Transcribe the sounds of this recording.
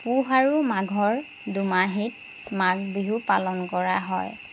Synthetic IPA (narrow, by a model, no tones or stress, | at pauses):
puɦaɹumaɡʱɔɹ | dumaɦit̚ | maɡ̚biɦupalɔnkɔɹaɦɔ̰j